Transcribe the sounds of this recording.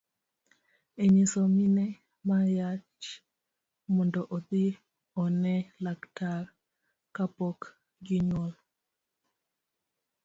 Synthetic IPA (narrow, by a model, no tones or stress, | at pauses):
eɲisominɛ | majat͡ʃ | mɔndɔʔɔd̪i | ɔnɛlaktar | kapɔk | ɡiɲɔl